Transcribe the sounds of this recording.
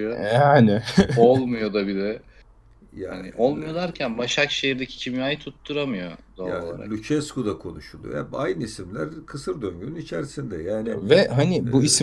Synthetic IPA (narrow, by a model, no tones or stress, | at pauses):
ojaːnɪolˠmujo̞d̪abidɛ | ja̰ːanḭʔolˠmujod̪ˠaɾcʰænbaʃakʃejiɾd̪ecʰi̥cʰimjaːjit̪ʰut̪ːuɾamɯjo̞d̪aa̰ːaɾalʲyt͡ʃʰɛskod̪akʰo̞nuʃulˠujo̰ja̰bajnɯisimlʲæɾkʰɯsɯɾd̪ø̞ɲɟynynit͡ʃʰæɾisind̪ɛjaːnivɛɦanibuis